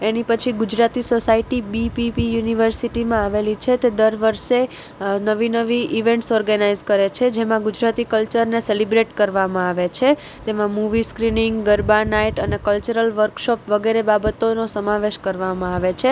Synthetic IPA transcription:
enipət͡ʃʰiɡud͡ʒɾat̪isosaiʈibipipijuniʋəɾsiʈimãaʋelit͡ʃʰet̪ed̪əɾʋəɾʃe | nəʋinəʋiʔiʋẽɳʈsɔɾɡənaizkəɾet͡ʃʰed͡ʒemãɡud͡ʒɾat̪ikəlt͡ʃəɾneselibɾeʈkəɾʋamãaʋet͡ʃʰe | t̪emãmuʋiskɾiniŋɡɡəɾbanaiʈənekəlt͡ʃəɾəlʋəɾkʃɔpʋəɡeɾebabət̪onosəmãʋeʃkəɾʋamãaʋet͡ʃʰe

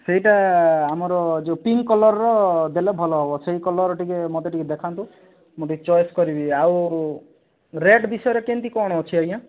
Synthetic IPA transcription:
seɦiʈaamɔɾɔd͡ʒepiŋkkːɔlɔɾɔɾɔd̪elebʱɔlɔɦɔbɔseɦikɔlɔɾɔʈikemɔt̪eʈiked̪ekʰant̪ũ | moʈit͡ʃɔjskɔɾibiaw | ɾeɖbisɔjɔɾekent̪ikɔɽ̃ɔɔt͡ʃʰiaj̃ã

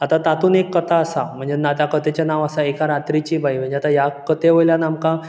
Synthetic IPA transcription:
at̪at̪at̪uːnekːət̪ʰaəsam̤əɳd͡zenat̪jakət̪et͡ɕanaʋəsaekaɾat̪ɾit͡ɕiːbajm̤əɳd͡zeat̪ajakət̪eʋojljanamkã

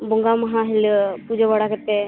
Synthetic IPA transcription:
boŋɡamɐɦãɦilpud͡ʒebaɽaket̪e

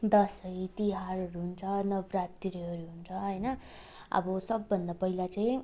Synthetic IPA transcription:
d̪ʌsʌjt̪iɦarɦʌɾuɦunt͡sʰʌnʌbrat̪ːiɾiɦʌɾuɦunt͡sʰʌɦʌjnʌ | ʌ̰bʌsʌbːʌnd̪apʌɦilat͡sãĩ

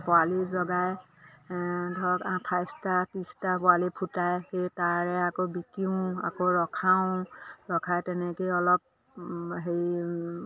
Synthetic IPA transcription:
pɔalizɔɡaj | dʱɔkãtʰajstatĩstapɔalipʰutajxejtaɹɛakobikiʊ̃a̰koɹɔkʰaʊ̃ɹɔkʰajtɛnɛkojɔlɔp̚ | ɦej

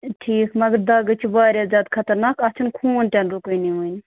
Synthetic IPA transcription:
ʈʰiːkmɐɡəɾd̪aːɡɐt͡ʃʰibaːɾʲjaːzjaːd̪kʰɐt̪ɐɾnaːkɐt͡ʃʰunkʰuːnʈʲɛnɾukujniʋuːin

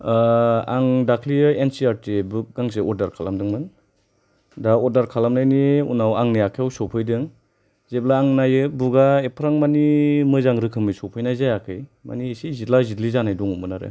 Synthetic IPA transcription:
aŋdakʰliɯensiaɾtibuk̚ɡaŋseɔɾdaɾkʰalamdɯŋmɯn | daɔɾdaɾkʰalamnajniṵnawaŋnijakʰjawsɔpʰɯjdɯŋ | zeblaːŋnajɯbuɡaepʰɾaŋmanimɯzaŋɾɯkʰɯmɯsɔpʰɯjnajzajakʰɯjma̰niːsizitlazitlizanajdɔŋumɯnaɾɯ̰

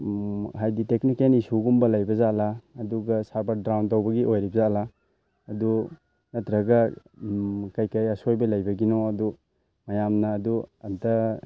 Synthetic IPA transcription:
ɦajditeknikenisuɡumbɐlajbɐzaʔlaɐːduɡɐsaɾbaɾ̚dɾawntawbɐɡiʔojɾibɐzaʔlaː | du | nɐtɾɐɡɐ | kajkajɐsojbɐlajbɐɡinɔɐdu | mɐjamnɐːduɐntɐ

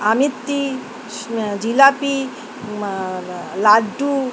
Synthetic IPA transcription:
amit̪ːi | d͡ʒilapi | laɖu

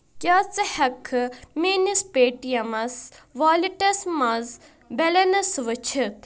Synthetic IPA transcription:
kʲjaːt͡sɐhɐkʰɨmiːnispeːʈijɐmɐsʋaːliʈɐsmɐz | belɐnɐsʋɐt͡ʃʰit̪

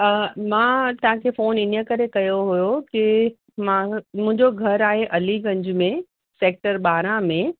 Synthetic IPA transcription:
mãːt̪ɐʋ̤ãkʰefoːnɪnəkɐɾekɐjoɦujokɪ | mãmʊ̃ɦɪ̃ɲd͡ʑoɡʱɐɾaːɦeʔɐliɡɐ̃ɲd͡ʑmẽ | seːk̚ʈəɾɓaːɾãmẽ

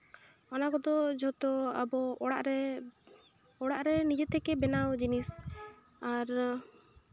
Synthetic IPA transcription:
ɔnakɔd̪ɔd͡ʒɔt̪ɔa̰bɔɽaʔɾɛ | ɔɽaʔɾɛnid͡ʒɛt̪ʰɛkɛbɛnawd͡ʒinis | aɾ

